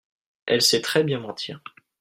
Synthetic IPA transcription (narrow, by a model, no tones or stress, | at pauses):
ɛlsɛt̪χɛbjɛ̃mɑ̃t̪ʰiʁ